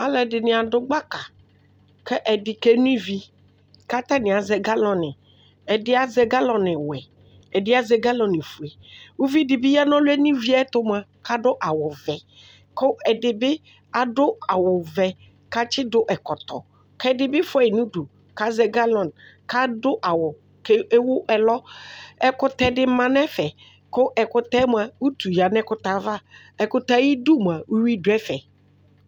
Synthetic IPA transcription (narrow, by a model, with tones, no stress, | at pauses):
a˦lɛ˨dɪ˨nɪ̃˨a˨dʊ˦ɡ͡ba˦ka˨ | kɛ˦ʔɛ˨dɪ˨ke˦nũ˦i˦vi˦ | ka˦t̪a˦nɪ̃˨a˨zɛ˨ɡa˦lɔ̃˨nɪ̃˨ | ɛ˨dɪ˦a˦zɛ˦ɡa˦lɔ̃˨nɪ̃˨wɛ˨ | ɛ˨dɪ˦a˦zɛ˦ɡa˦lɔ̃˨nɪ̃˨fu˨ɛ˨wu˦vi˦di˨bi˦ja˦nɔ̃˦lo˦ɛ˦n˦ĩ˦vi˦a˦t̪o˦mã˨ka˦ɖo˦ʔa˨wɔ˨vɛ˨ | ko˦ɛ˨ɖɪ˨be˦ | a˨ɖo˦a˨wʊ˨vɛ˨ | ka˦t͡ʃɪ˦dʊ˦ʔɛ˨kɔ˨t̪ɔ̰˨ | kɛ˦dɪ˨bɪ˦fɔ˦ɛ˨nũ˦du˨ | ka˦zɛ˨ɡa˦lɔ̃˨nka˦dʊ˦ʔa˨wʊ˨ | ke˦e˦wʊ˦ʔɛ˨lɔ˦ɛ˦kʊ˦t̪ɛ˦dɪ˦mã˦n˦ɛ˦fɛ˨ | kʊ˦ʔɛ˨kʊ˦t̪ɛ˦m˦˨a˨wu˦t̪u˨ja˨nɛ˦kʊ˦t̪a˨va˦˨ | ɛ˨kʊ˦t̪a˦ji˦du˦m˨a˨wu˦wi˦dʊ˨˦ɛ˦fɛ˨